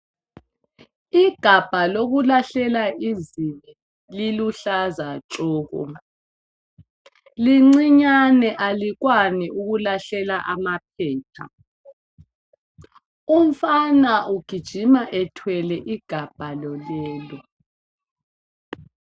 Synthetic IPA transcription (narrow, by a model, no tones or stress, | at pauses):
iɡ̥ʱab̥ʱaloɣulaɬɛlaiziβɛ | liluɬazat͡ʃɔːɣɔ̰ | liŋ͡ǀiɲanɛʔaliɣwaniuɣulaɬɛlaʔamap̚ʰɛːtʰa̰ | um̩fanaʔuɡ̥ʱid̥ʒ̥ʱimaʔɛtʰwɛlɛʔiɡ̥ʱab̥ʱalɔlɛːlɔ